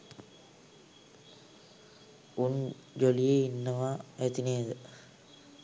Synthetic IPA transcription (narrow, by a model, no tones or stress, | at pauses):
un | d͡ʒolijeinːəʋaet̪ineːd̪ə